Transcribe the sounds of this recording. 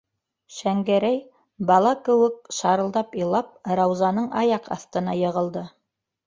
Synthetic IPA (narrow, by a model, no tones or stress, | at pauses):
ʃæŋɡæɾæj | bɑlˠɑkɘ̆wɘk̚ʃɑɾɤ̆lˠd̪ɑpilˠɑp̚ɾɑwzɑnɤɴɑjɑqɑ̰θt̪ɤ̆nɑjɤ̆ʁɤ̆lˠd̪ɤ